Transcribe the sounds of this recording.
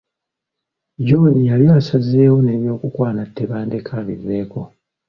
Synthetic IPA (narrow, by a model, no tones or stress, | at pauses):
ɟo̞ːnijaljasazeːwo̞ne̞ːβjo̞ːkukwaːnatːe̞βaːnde̞kʰaβḭve̞ːko̞